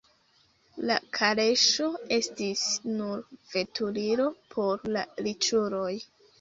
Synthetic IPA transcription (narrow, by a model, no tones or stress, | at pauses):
la̰kʰaɾe̞ʃo̞e̞stisnuɾv̥e̞tuliɾo̞pʰo̞ɾla̰lit͡ʃuɾo̞j